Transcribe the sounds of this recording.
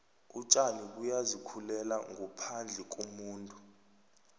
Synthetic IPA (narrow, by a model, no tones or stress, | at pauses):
ut͡ʃʼalik̬ʼujazikʰulɛlaŋʱɔpʰand͡ɮʱɛk̬ʼumuːntʼu